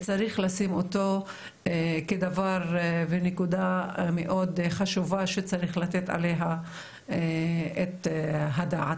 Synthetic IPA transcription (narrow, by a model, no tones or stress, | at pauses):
t͡saʁiχlasimot̪o̞ | ked̪avaʁvenekud̪ameʔo̞d̪χaʃuvaʃet͡saʁiχlat̪et̪a̰leɦa | et̪ɦad̪aʕat